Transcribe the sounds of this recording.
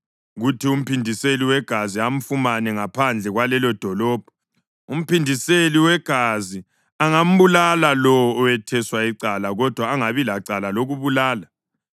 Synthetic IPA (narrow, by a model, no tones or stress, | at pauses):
ɣutʰium̩pʰindʱiseliwɛɡ̥ʱaziam̩fumanɛŋapʰand͡ɮʱɛɣwalɛlɔd̥ʱɔlɔːb̥ʱɔ̥ | um̩pindʱiseliwɛɡ̥ʱazi | aŋam̩βulalalɔwɔɔwɛtʰɛswaiǀalaɣɔd̥ʱwaːŋaβilaǀalaloɣuβulaːla